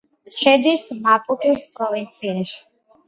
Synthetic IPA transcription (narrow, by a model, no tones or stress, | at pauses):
ʃɛd̪ismapʼut̪ʼuspʼɾɔvint̪sʰiaʃi̥